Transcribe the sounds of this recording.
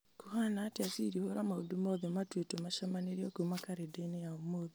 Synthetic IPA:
kuhanaːteasiɾihoɾamaudumɔðematwetomaʃamaneɾijɔkumakaɾedenejaomoði

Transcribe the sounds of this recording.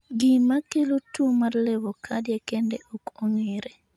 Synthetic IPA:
ɡɪmakelotumarlewokʰadjekendeʔokoŋeɾe

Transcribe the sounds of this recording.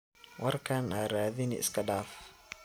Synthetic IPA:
wɑrkʰɐnʔaːɾaːðɪnɪɪ̰skʰɐɖaːf

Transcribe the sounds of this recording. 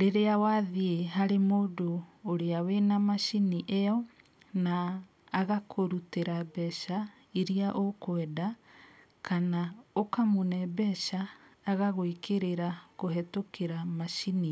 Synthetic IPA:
ɾeɾeawaðieɦaɾemoːdoːɾeawenamaʃiniʔɛɔ | naː | ɣakʰoɾuteɾabɛʃa | iɾiaʔokwɛda | kanaokamonɛbɛʃaːɣaɣoikeɾeɾakoɦɛtokeɾamaʃini

